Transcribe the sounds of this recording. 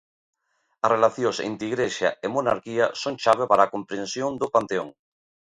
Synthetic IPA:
ɐsrelaθjosḛnt̪iɣɾeʃaemona̰ɾkiɐsoŋt͡ʃaβ̞epaɾaːkompɾensjoŋd̪opant̪eo̰ŋ

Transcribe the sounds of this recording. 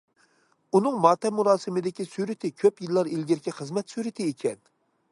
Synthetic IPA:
unɨŋmɑːt̪ʰɛmuɾɑːsɨmɪd̪ɪkʲisyɾɪt̪ʰɪkʲʰøpjilˠːɑɾilɡʲɪɾkʲʰɛχəzmɛt̪syɾɪt̪ʰɪekʲʰɛn

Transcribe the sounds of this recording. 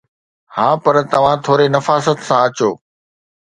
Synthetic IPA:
haːpɐɾt̪ɐʋ̤ãt̪ʰoːɾenɐfaːsət̪sãɐt͡ɕoː

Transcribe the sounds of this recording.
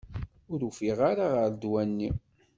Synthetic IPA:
ʊɾufiʁaɾaʁəɾd̪wænːi

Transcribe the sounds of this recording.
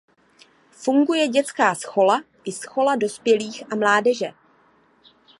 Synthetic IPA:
fuŋɡujɛɟɛt͡skaːsxo̞la | ʔɪsxo̞lado̞spjɛliːxʔamlaːdɛʒɛ

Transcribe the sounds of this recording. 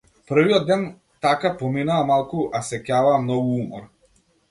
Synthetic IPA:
pəɾ̩viɔd̪ːɛn | t̪akapɔminaːmalˠkuʔasɛcavaːmnɔɡuumɔɾ

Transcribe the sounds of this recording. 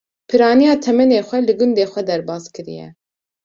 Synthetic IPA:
pʰɨɾɑːnijɑːt̪ʰɛmɛneːxʷɛlɨɡʊnd̪eːxʷɛd̪ɛɾbɑːskɨɾḭjɛ̰

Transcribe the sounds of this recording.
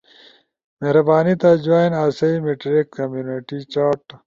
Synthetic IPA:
meɦɾɐbaːnit̪ad͡ʑaːjnaːsɐimeʈɾikːɐmjuːniʈit͡ɕaːʈ

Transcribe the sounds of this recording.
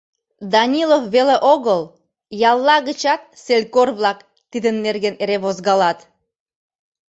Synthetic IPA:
d̪ɑnʲilofβeleʔoɣəl | jɑlˠːɑɣət͡ɕɑt̪̚selʲkorβlɑk | t̪id̪ənːerɣeneɾeβozɣɑlɑt̪

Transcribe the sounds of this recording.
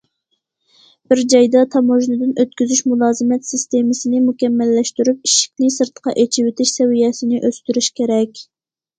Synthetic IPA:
b̥ɪɾd͡ʒɑjd̪ɑt̪ʰɑmoʒnɨd̪ɨnøt̪kʲyzyʃmulˠɑːzɨmɛt̪sɪst̪emɨsɪnɪmukʲɛmːɛlːɛʃt̪yɾyp̚iʃɪ̥kʲnɪsɨɾt̪ʰqʰɑ̰ʔet͡ʃʰiwɪt̪ʰɪʃsɛwijɛsɪnɪʔøst̪yɾyʃkʲeɾɛkʲ

